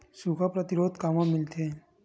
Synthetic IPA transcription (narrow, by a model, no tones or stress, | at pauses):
sukapɾət̪ɪɾoːd̪kamãmɪlt̪ʰe